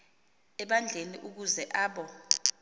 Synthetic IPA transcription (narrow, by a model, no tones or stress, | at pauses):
ɛɓand͡ɮʱeniʔuk̬uzɛʔaːɓɔ